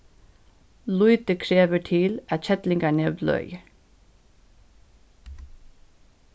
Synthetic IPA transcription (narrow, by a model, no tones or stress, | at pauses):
lʊʏt̪əkʰɹeːʋəʈʰɪlɑt̪çɛt̪lɪŋɡɑɳɛʋd̪lœ̰ʏ